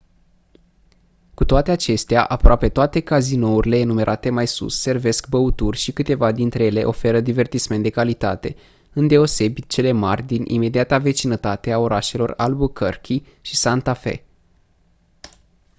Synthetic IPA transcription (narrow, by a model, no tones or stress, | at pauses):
kut̪oat̪e̞at͡ʃe̞st̪eaʔapɾoape̞t̪oat̪e̞kazino̞uɾile̞ːnume̞ɾʔat̪e̞majsṵsːe̞rve̞skbəut̪urʲʃikɨt̪e̞vad̪int̪ɾe̞jele̞ʔo̞fe̞ɾəd̪ive̞rt̪isment̪d̪e̞kalit̪a̰t̪e̞̰ | ɨnd̪e̞o̞se̞bit̪t͡ʃe̞le̞marʲd̪inʔḭme̞d̪iat̪ave̞t͡ʃinət̪at̪e̞ao̞ɾaʃe̞lo̞ralbukʰərkʲʰi | ʃisant̪afe̞̰